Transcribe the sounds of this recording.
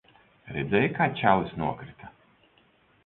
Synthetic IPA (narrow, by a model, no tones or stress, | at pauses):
ɾɛd̪zʲɛjkaːt͡ʃʲawlsnuɔkɾit̪ʰḁ